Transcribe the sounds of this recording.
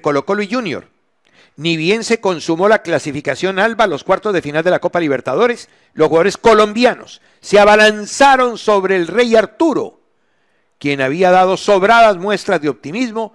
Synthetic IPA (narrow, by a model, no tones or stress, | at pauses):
ko̞lo̞kolwiʝunjo̞̰ɾ | niβje̞nse̞ko̞nsumo̞laklasifikasjo̞nalβalo̞skwaɾt̪o̞zðefinald̪e̞lako̞paliβ̞e̞ɾt̪að̞o̞ɾe̞s | losxuaðo̞ɾe̞sko̞lõ̞mbjano̞̰sː | eaβalansaɾo̞nso̞βɾe̞ːlre̞jaɾt̪uɾo̞̰ | kje̞naβiaðað̞o̞so̞βɾaðazmwe̞st̪ɾazðeo̞p̚t̪imizmo̞